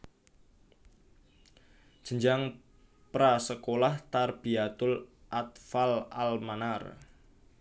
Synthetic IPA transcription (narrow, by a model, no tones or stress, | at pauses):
ʒ̥ə̤ɲd͡ʒaŋ | pɾasəkolaht̪arb̥iat̪ʊlʔat̪fala̰lmanar